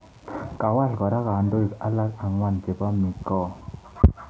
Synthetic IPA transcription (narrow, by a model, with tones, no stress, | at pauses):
ka˨wa˦ɬɡɔ˨ɾa˦ka˨ndo˦i˨ka˦la˦ka˨ŋwa˦nte˨ba˦mi˨kɔ˦˨